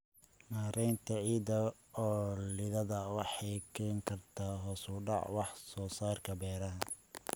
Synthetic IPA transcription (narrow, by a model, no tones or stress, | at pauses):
naːɾɛjnt̪ʰɐʕiːd̪ɐ | ɔːlɪðɐðɐwɑħɑjkʰɛːŋkʰɐrt̪ʰaːɦɔːsʊɖɑ̰ʕwɑħsɔːsaːrkʰɐbɛːɾɐɦɐ